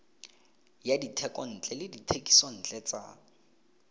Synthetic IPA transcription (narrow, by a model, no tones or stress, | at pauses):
jaditʰɛkʼɔn̩t͡ɬʼɛlɪditʰekʼi̥sɔn̩ːt͡ɬʼɛt͡sa̰